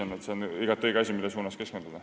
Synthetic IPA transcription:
enet̪seoniɡɑt̪ːɤjkɑsʲimilːesuːnɑske̞skent̪ud̪ɑ

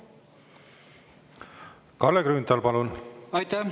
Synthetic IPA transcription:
kɑlːeɡɾyːnd̪ɑlpɑlunɑjt̪æ

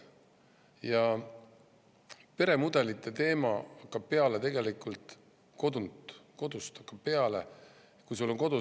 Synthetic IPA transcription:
jɑ | pe̞ɾe̞mud̪̥e̞lit̪ːˑet̪e̞ːmɑɑkːˑɑb̥̚pe̞ɑlet̪e̞ɡ̥e̞likˑult̪ˑ | ko̞d̪unt̪ko̞d̪̥ust̪ɑkːɑb̥̚pe̞ɑlḛ | kujs̬ulːo̞ŋko̞d̪̥u

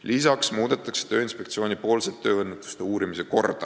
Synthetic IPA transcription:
lisɑksmuːd̪et̪ːˑɑkse̥t̪ø̞ːinspe̞k̚t̪sio̞ːnʲipo̞ːlset̪ːø̞ːɤnːet̪ːˑu̥st̪euːɾimise̞ko̞rd̪̥ɑ̰

